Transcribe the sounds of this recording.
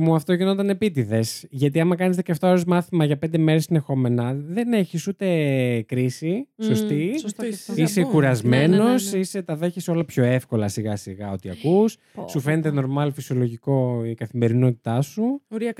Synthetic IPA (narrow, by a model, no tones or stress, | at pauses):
muɐft̪oʝino̞t̪ɐnepit̪iðe̞sʝɐt̪iɐmɐkɐnizðeceɐft̪oɾizmɐθimɐʝɐpend̪e̞meɾesinexo̞me̞nɐðe̞ne̞çisut̪e̞kɾisisost̪it̪isekuɾɐzme̞no̞sise̞t̪ɐðe̞çeso̞lɐpço̞efko̞lɐsiɣɐsiɣɐo̞t̪iɐkusː | ufe̞net̪eno̞ɾmɐlfisiolo̞ʝiko̞ikɐθime̞ɾino̞t̪i̥t̪ɐsuɾi